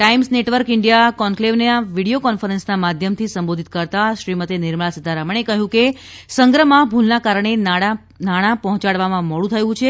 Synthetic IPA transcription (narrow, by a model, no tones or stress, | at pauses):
ʈaimsneʈʋəɾkɪɳɖijakɔŋkleʋneaʋiɽijokɔnfəɾənsnamad̪ʱjəmt̪ʰisəmbod̪ʱit̪̚kəɾt̪aʃɾimət̪enɪɾməɭasəd̪ʱaɾaməɳ̃ekəɦjũke | səŋɡɾəmãbʱulnakaɾəɳ̃enaa | naɽ̃ãpɔɦɔ̃t͡ʃaɽʋamãməɭũt̪ʰəjũt͡ʃʰe